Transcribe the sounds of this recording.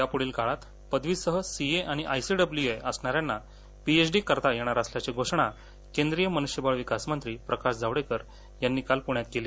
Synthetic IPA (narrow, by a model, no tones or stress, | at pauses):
japuɽiːlkaɭat̪ | pəd̪ʱʋiːsəɦəsieʔaɽ̃iʔajsiɖəbljueʔəsɳaɾjanːa | piet͡sɖiːkəɾt̪ajeɽ̃aɾasljat͡ɕeɡʱoʂɳa | kẽnd̪ɾijəmənuʂjəbaɭʋikasmənt̪ɾiːpɾəkaɕd͡zaʋɽekəɾ | janːiːkalpuɳjat̪̚keliː